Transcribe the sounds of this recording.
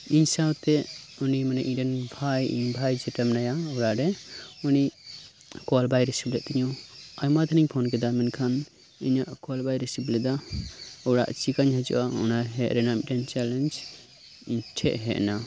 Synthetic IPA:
iɲsawt̪ɛunimanɛʔiɲdɛnbʱajḭɲbʱajd͡ʒɛʈamnajaɔɾaʔɾɛuni | kɔlbajɾɛsiblɛʔt̪iɲuajmat̪ʰaniɲpʰɔnkɛd̪amɛnkʰan | iɲaʔkɔlbajɾɛsiblɛd̪a | ɔɾa̰ʔt͡ʃikaɲhad͡ʒṵʔaɔ̰naɦɛʔɾɛnamʈɛnt͡ʃalɛnd͡ʒ | iɲʈʰɛʔɦɛʔna

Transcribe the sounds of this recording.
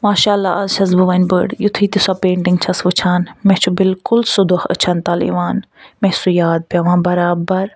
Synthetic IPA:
maːʃaːlːaːʔɐzt͡ʃʰɐzbɨʋɐnʲbə̰ɖjut̪ʰit̪isapeːɳʈiŋɡt͡ʃʰɐsʋɨt͡ʃʰaːnmet͡ʃʰubɪlkʊlsud̪uhə̰t͡ʃʰɐnt̪ɐlḭʋaːn | mɛ̃sujaːd̪̚pʲɐʋãːnbɐɾaːbɐɾ

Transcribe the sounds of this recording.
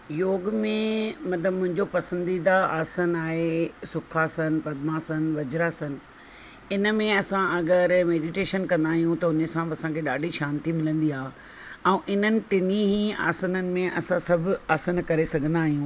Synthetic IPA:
joːɡmẽmɐt̪ləbmʊ̃ɦɪ̃ɲd͡ʑopɐsə̃nd̪id̪aaːsənaːɦesʊkʰaːsənpɐd̪maːsɐnʋɐd͡ʑɾaːsɐnɪ̆ | ɪnəmẽɐsãʔɐɡəɾmeːɖiʈeːʃənkɐ̃nd̪aːɦijũt̪ɐʊnəsãɐsãkʰeːɗaːɖʱiʃaːnt̪imɪlə̃nd̪iaː | ɛ̃ũʔɪnənɪ̆ʈɪniɦia̰ːsənənɪ̆mẽʔɐsãsɐbʱaːsənkɐɾesɐɡʱə̃nd̪aːɦijũː

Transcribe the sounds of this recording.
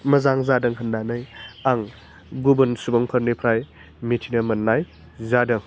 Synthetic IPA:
mɐzaŋzadɐŋɦɐnːanɯjaŋ | ɡubɐnsubɐŋpʰɐɾnipʰɾaj | metʰinɐmɐnːaj | zadɐŋ

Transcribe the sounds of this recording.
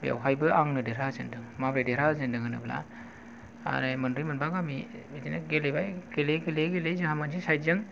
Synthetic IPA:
bja̰wɦajbɯaŋnɯdeɾazɯndɯŋmabɾejdeɾazɯndɯŋɯnɯbla̰ | a̰najmɯnɾɯjmɯnbaɡamiizina̰ɡelejbajɡeleɡeleɡelejzɯŋɦamanʰisajzɯŋ

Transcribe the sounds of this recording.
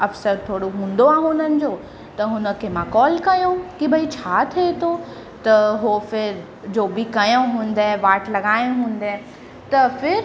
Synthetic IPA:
ɐfsəɾt̪ʰoːɽoɦũːn̆d̪oaːɦʊnənɪ̆d͡ʑoː | t̪ɐɦʊnə̆kʰeːmãkɔːlkɐjũkibʱɐit͡ɕʰaːt̪ʰiet̪ʰo | t̪ɐɦofɪɾ | d͡ʑoːbɪkɐjõɦũːn̆d̪ẽʋaːʈlɐɠaːj̃õɦũːn̆d̪ẽ | t̪ɐfɪɾ

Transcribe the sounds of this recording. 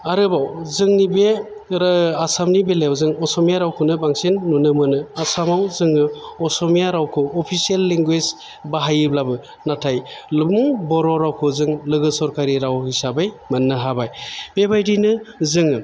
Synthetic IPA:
aɾɯbawzɯŋnibe | ɾasamnibelejawzɯŋɔsɔmijaɾawkʰɯnɯbaŋsenːunɯmɯnɯasamawzɯŋɯɔsɔmijaɾawkʰɯɔpʰisielːiŋɡwez | baɦajɯblabɯ | natʰajlubmuŋbɔɾɔɾawkʰɯzɯŋlɯɡɯsɔɾkaɾiɾawhisabaj | mɯnːɯɦabajb̥ebajdinɯzɯŋɯ

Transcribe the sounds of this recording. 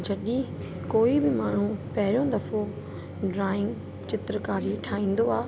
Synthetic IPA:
d͡ʑɐɗĩ | koːibɪmaːɳ̤ũpɐɦɪɾijõd̪ɐfo | ɖɾaːɪ̃ŋɡ | t͡ɕɪt̪ɾkaːɾiʈʰaːĩːn̆d̪oaː

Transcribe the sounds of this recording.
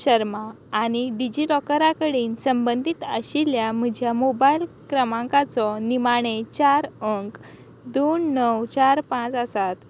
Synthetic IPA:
ɕəɾmaː | ñiɖid͡ʑilɔkəɾakəɽiːnsəmbənd̪ʱit̪ə̰ɕiljam̤əd͡ʑʱjamobail | kɾəmãŋkat͡sɔnimaɽ̃et͡ɕaɾəŋk | d̪onːəwt͡ɕaɾpãt͡səsat̪

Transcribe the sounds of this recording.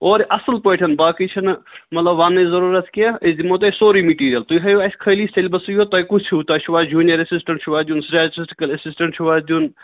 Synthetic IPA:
oːɾʔɐsəlpoːjʈʰɐnbaːkit͡ʃʰɐnmɐt̪lɐbʋanːezɐɾuːɾɐt̪ʰkiaəsd̪imot̪ɐsoːɾimiʈiːɾijɐlt̪ujɦɐjaːsʲkʰəjliːst̪elʲbɐsujot̪ɐːjkut͡ʃʰuːt̪aːt͡ʃʰuʋaːd͡ʒuːnijɐɾɐsisʈɐɳʈt͡ʃʰuʋaːd̪ʲuːnsʈaːisʈi̥kɐlɐsisʈɐɳʈt͡ʃʰuʋaːd̪juːn

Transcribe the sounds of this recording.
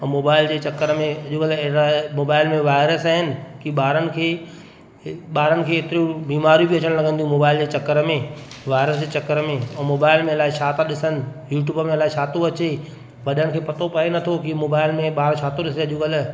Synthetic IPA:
ɛ̃ːmoːbaːɪld͡ʑeːt͡ɕɐkːəɾmẽɐʄuɡəllamoːbaːɪlmẽʋaːɪɾəsaːɦɪnɪ̆kiɓaːɾənɪ̆kʰeː | ɓaːɾənɪ̆kʰeːt̪ɪɾobiːmaːɾjiubiɐt͡ɕəɽ̃lɐɡʱə̃nd̪ijũmoːbaːɪld͡ʑeːt͡ɕɐkəɾmẽ | ʋaːɪɾəsd͡ʑeːt͡ɕɐkəɾmẽɛ̃ːmoːbaːɪlmẽɪlaːeʃaːt̪aɗɪsənɪ̆juːʈjuːbmẽɪlaːɪʃaːt̪oɐt͡ɕe | ʋɐɗənɪ̆kʰeːpɐt̪ʰopɐenɐt̪ʰokimoːbaːɪlmẽɓaːɾʃaːt̪oɗɪseɐʄuɡəl

